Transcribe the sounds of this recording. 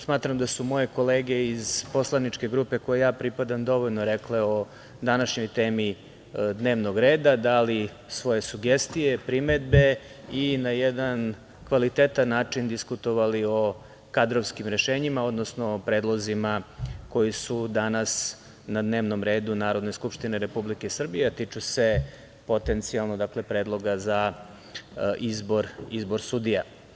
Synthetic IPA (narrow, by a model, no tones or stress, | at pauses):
smaːt̪ɾamd̪asumo̞je̞ko̞leːɡe̞izpo̞slˠanit͡ʃke̞ɡɾuːpe̞ko̞jejaːpɾipad̪amd̪o̞ʋo̞ʎnoɾekle̞o̞ | d̪anaʃɲo̞jt̪e̞ːmi | d̪ne̞ːʋnoɡɾe̞ːd̪ad̪ali | sʋo̞je̞suɡest̪ijepɾimed̪be̞ | inajed̪an | kʋalit̪et̪anːaːt͡ʂind̪iskut̪o̞ʋalio̞ | kad̪ɾoʋskimɾe̞ʃeːɲimao̞d̪no̞snopɾe̞ːd̪lˠo̞zimako̞jisud̪anas | nad̪ne̞ːʋno̞mɾe̞ːd̪unaːɾo̞d̪ne̞skupʃt̪ine̞ɾe̞publikesr̩bijet̪it͡ʃuse̞ | po̞t̪e̞nt̪sialˠnod̪akle̞pɾeːd̪lˠo̞ɡaza | ʔizboɾizboɾsud̪ija